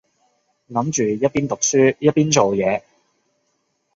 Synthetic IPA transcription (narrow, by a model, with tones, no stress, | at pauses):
lɐ˨˥mt͡ʃyː˨jɐ˥t̚piː˥nt̪ʊ˨k̚syː˥jɐ˥t̚piː˥nt͡so˨wjɛː˨˧